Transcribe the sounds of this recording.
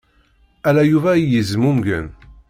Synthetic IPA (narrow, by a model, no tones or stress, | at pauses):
ælæjuvæjəzmumɡə̰n